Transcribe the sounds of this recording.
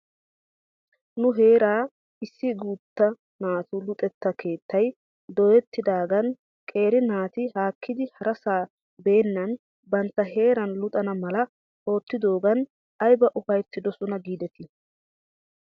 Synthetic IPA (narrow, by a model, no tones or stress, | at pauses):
nʊɦe̞ːɾaː | ɪsːɪɡuːt̪ːɐ | naːt̪ʊlʊt̪ʼɛt̪ːɐkʰe̞ːt̪ːɐj | d̪ɔjɛt̪ːɪd̪aːɡɐn | kʼe̞ːɾɪnaːt̪ɪhaːkʰːɪd̪ɪhɐɾɐsaː | be̞ːnːɐn | bɐnt̪ːɐɦe̞ːɾɐnlʊt̪ʼɐnɐmɐlɐ | o̞ːt̪ːɪd̪o̞ːɡɐn | ɐjbɐʔʊfɐjt̪ːɪd̪ɔsʊnɐɡiːd̪ɛt̪ɪ